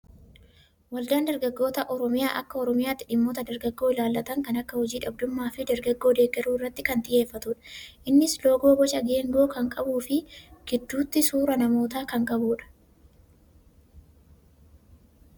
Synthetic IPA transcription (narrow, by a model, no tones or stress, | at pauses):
wɐld̪aːnd̪ɐɾɡɐɡːo̞ːt̪ɐʔɔɾɔmɪjaːʔɐkːɐɔɾɔmɪjaːt̪ːɪᶑɪmːoːt̪ɐd̪ɐɾɡɐɡːo̞ːɪlaːlːɐt̪ɐŋkɐnɐkːɐhɔd͡ʒiːᶑɐb̚d̪ʊmːaːfɪd̪ɐɾɡɐɡːo̞ːd̪e̞ːɡːɐɾuːɪrːɐt̪ːɪkɐnt̪ʼɪje̞ːfːɐt̪ʊᶑɐ̥ʔɪnːɪslo̞ːɡo̞ːbɔt͡ʃɐɡe̞ːŋɡo̞ːkɐŋkʼɐbuːfɪɡ̥ɪd̪ːuːt̪ːɪsuːɾɐnɐmo̞ːt̪aːkɐŋkʼɐbuːᶑɐ̥